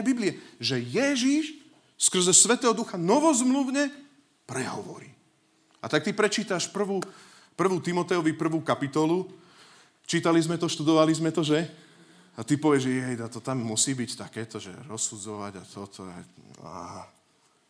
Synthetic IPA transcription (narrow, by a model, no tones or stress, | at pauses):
ɛbibliɛʒɛjɛʒiʃ | skr̩zɛsʋɛt̪ɛːɦɔd̪uxanɔʋɔzmluʊɲɛ | pɾɛɦɔ̰ʋɔ̰ɾiː | at̪ak̚t̪ipɾɛt͡ʃiːt̪aʃpr̩ʋuː | pr̩ʋuːt̪imɔt̪ɛɔʋipr̩ʋuːkapit̪ɔlu | t͡ʃiːt̪alizmɛt̪ɔʃt̪ud̪ɔʋalizmɛt̪ɔʒɛ | at̪ipɔʋɪɛʒɛɦɛjd̪at̪ɔt̪amːusiːbict̪akɛːt̪ɔʒɛ̰ɾɔsːud͡zɔʋa̰ɟa̰t̪ʰɔt̪ʰɔ̰a̰aa̰a